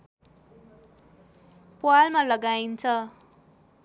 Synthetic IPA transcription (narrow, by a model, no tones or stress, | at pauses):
pwalmalʌɡaint͡sʰʌ